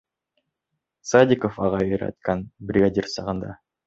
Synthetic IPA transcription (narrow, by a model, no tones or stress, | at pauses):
sad̪ʲikofɑʁɑeɾɑ̰t̪kɑnbɾʲɪɡadʲirsɑʁɑnd̪ɑ̰